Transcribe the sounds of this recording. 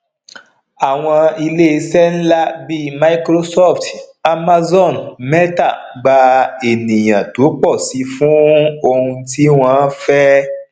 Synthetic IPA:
a˨w̃ɔ̃˧i˧le˦˧sɛ˦n̩˦la˦bi˦ma˧i˦kɾo˦sɔ˦˨fta˧ma˧zɔ˦˨nmɛ˦ta˦˨ | ɡ͡ba˧e˨nĩ˨j̃ã˨to˨˦k͡pɔ˦˨si˨˦fũ˦o˧hũ˧ti˦w̃ɔ̃˧˦fɛ˦

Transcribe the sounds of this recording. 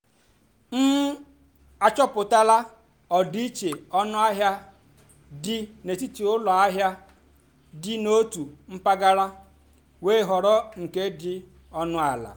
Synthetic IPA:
n̩˦ | a˦˨t͡ʃɔ˦pʊ˨ta˦la˦ | ɔ˨di˦i˦t͡ʃe˨ɔ˦nʊ˦a˦ɦja˦ | dɪ˦ne˨ti˦ti˨ʊ˦lɔ˨a˦ɦja˦ | dɪ˦no˦tu˨m̩˦pa˦ɡa˦ɾa˦ | weː˦ɦɔ˨ɾɔ˦ŋ̩˨ke˦dɪ˦ | ɔ˦nʊ˦a˨la̰˨

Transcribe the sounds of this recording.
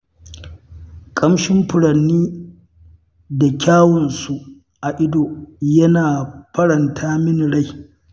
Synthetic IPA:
kʼɐ˦mʃɪ˦mɸʊ˨ɽɐ˨nːiː˦ | da˨kʲaː˦wɔ˨nsu˦ʔ | ʔa˨ʔɪ˦doː˨jɐ˦naː˨ɸɐ˦ɽɐ˨ntʰaː˦mɪ˦nɽa˦˨j

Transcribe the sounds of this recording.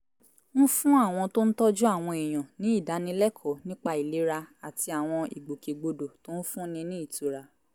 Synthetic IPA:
n̩˦fũ˦a˦˨w̃ɔ̃˧to˦n̩˦tɔ˦d͡ʒu˦a˦˨w̃ɔ̃˧i˨j̃ã˨nĩ˨˦i˦˨da˨˦nĩ˧˦lɛ˦˨kʰɔ˨˦nĩ˦k͡pa˧i˨le˨˦ɾa˧a˨ti˧a˨w̃ɔ̃˧i˨ɡ͡bo˨ke˨ɡ͡bo˧do˨to˨˦n̩˦fũ˦nĩ˧nĩ˦i˦˨tu˨˦ɾa˧

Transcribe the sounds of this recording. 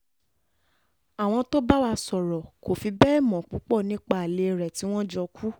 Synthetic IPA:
a˨w̃ɔ̃˧to˦ba˦wa˧sɔ˨ɾɔ˨ko˨fi˧bɛ˦ɛ˦˨mɔ̃˨k͡pu˨˦k͡pɔ˦˨nĩ˦k͡pa˦˨a˨le˧˨ɾɛ˨ti˨˦w̃ɔ̃˦d͡ʒɔ˧ku˦

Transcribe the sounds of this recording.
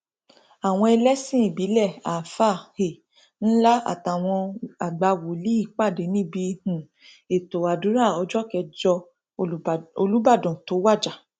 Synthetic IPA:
a˨w̃ɔ̃˧ɛ˧lɛ˦sĩ˦i˦˨bi˨˦lɛ˦˨a˨fa˦˨he˨ | n̩˦la˦a̰˨ta˨w̃ɔ̃˧a˨ɡ͡ba˧wo˨li˨˦i˦˨k͡pa˦˨de˨˦nĩ˦bi˧hũ˨ | e˨to˨a˨du˨˦ɾa˦˨ɔ˧˦d͡ʒɔ˦kɛ˧d͡ʒɔ˧ | o˧lu˦ba˦˨dɔ̃˨to˨˦wa˦˨d͡ʒa˨

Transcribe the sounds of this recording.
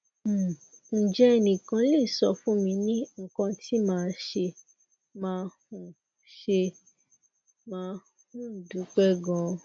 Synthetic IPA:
n̩˨d͡ʒɛ˦˧nĩ˨kã˧le˦˨sɔ˧fũ˦mĩ˧nĩ˦ŋ̩˦kã˧tʰi˦mãː˦˧ʃe˧ | mãː˧hũ˧ | ʃe˧ | mãː˧ | hũ˦n̩˨du˨˦k͡pɛ˦ɡɔ̃˧

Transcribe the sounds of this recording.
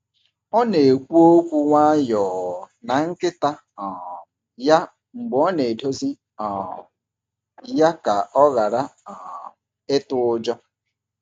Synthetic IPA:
ɔ˦ne˨e˨kʷu˦o˦kʷu˦wʷa˦jɔː˨ | na˨ŋ̩˦kɪ˦ta˦ | ɔ˨ | ja˦ | ŋ͡m̩˨ɡ͡bɔ˦ne˨do˦zi˦ | ɔ˨ | ja˦ka˨ɔ˦ɣa˨ɾa˦ɔ˨ | e˦tʊ˦ʊ˦d͡ʒɔ˦

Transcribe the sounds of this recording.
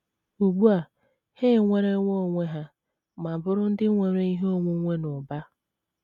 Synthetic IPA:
u˨ɡ͡bu˦a˨ | heː˦˨ŋʷe˦ɾe˦ŋʷo˦˨ŋʷe˦ɦa˦ | ma˨bʊ˦ɾʊ˦n̩˦dɪ˦ŋʷe˨ɾe˦i˦ɦo˦ŋʷu˦ŋʷe˦nʊ˨ba˦

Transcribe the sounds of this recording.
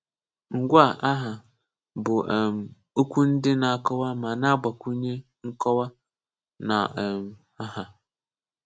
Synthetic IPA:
ŋ̩˨ɡʷʊ˦a˨ʔa˦ɦa˨ | bʊ˨ʔɛ˨m | o˦kʰʷu˦n̩˦dɪ˦nã˨a˨kʰɔ˦wa˦˨mã˨nã˦ba˨kʰu˦ɲe˦ | ŋ̩˦kʰɔ˦wa˦ | nã˨m | a˦ha˨

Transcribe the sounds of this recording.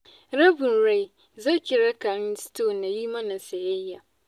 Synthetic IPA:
ɾɐ˦bɪ˨nɾa˦˨j | za˦˨kʲɪ˨ɾa˦ka˨ɾɪ˦nstoː˦˨nːa˨jiː˦mɐ˦na˨sɐ˨jɐ˦jːa˨

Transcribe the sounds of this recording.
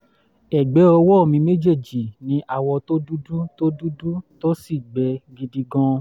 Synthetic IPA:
ɛ˨ɡ͡bɛ˨˦ɔ˧wɔ˦o˦˧˨mĩ˧me˦d͡ʒe˦˨d͡ʒi˨nĩ˨˦ʔa˦˨wɔ˧to˦du˦du˦to˦du˦du˦to˦si˦˨ɡ͡bɛ˧˦ɡi˧di˧ɡɔ̃˧

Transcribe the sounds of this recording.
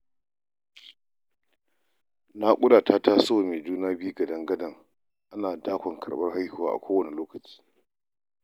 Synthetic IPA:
na˦kʷʼʊ˦ɽaː˨taː˦ta˦so˦˨me˨d͡ʒuː˦naː˦bi˦u˦ɡɐ˨dɐ˦ŋɡɐ˦dɐ˨ŋ | ʔa˦naː˨daː˦kʷɔ˨ŋkʰɐ̰˨ɽɓɐ˦rɦa˦jhʊ˦˨waː˦˨ʔa̰˨kʷoː˦wɐ˦ni˨loː˦kɐ˨t͡ʃi̥ː˦

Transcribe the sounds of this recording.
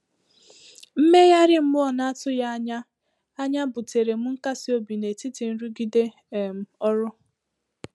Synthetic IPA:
m̩˦me˦ja˦ɾɪ˦m̩˦mʊ˦ɔ˨na˦tʊ˦ja˦a˦ɲa˦ | a˦ɲa˦bʊ˨te˨ɾe˨m̩˦ŋ̩˦ka˦sɪ˦o˦bi˨ne˨ti˦ti˨n̩˦ɾu˦ɡi˦de˦˨ | m̩˨ɔ˦ɾʊ˦

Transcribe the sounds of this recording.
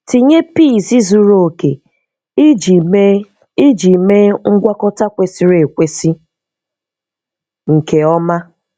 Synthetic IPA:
ti˨ɲe˦pi˦˨si˦zu˦ɾo˨o˨kḛ˨˦˨ | i˦d͡ʒi˨me˦ŋ̩˦ɡʷa˦kɔ˦ta˦kʷe˨si˦ɾe˨kʷe˦si˦ | ŋ̩˨ke˨ɔ˦ma˦

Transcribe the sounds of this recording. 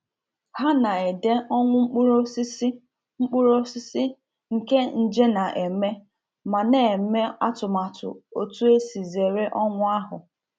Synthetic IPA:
ha˦na˨e˨de˦ɔ˦ŋʷʊ˦ŋ͡m̩˦k͡pu˦ɾo˦ss | ŋ͡m̩˦k͡pʊ˦ɾo˦sɪ˦sɪ˦ | ŋ̩˨ke˦n̩˦d͡ʒe˦na˨ʔe˨me˦ | ma˨ne˨˦me˦a˦tʊ˨ma˨tʊ̰˨o̰˦tu˦e˦si˨ze˨ɾe˦ʔɔ˦ŋʷʊ˦a˦ɦʊ̰˨

